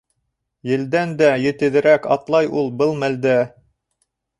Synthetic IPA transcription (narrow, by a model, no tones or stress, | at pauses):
jɘ̆ld̪ænd̪æjɘ̆t̪ɘ̆ðɘ̆ɾækɑt̪lˠɑjulˠbɤlˠmæld̪æ